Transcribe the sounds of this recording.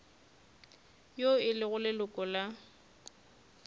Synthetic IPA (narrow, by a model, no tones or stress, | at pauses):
joɪlɪɣʊlɪlʊkʼɔla